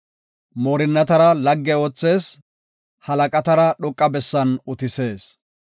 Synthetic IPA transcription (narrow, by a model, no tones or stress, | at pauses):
moːɾɪnːɐt̪ɐɾɐlɐɡːɛoːt͡sːe̞ːs | hɐlɐkʼɐt̪ɐɾɐɗɔkʼːɐbɛsːɐnʊt̪ɪse̞ːs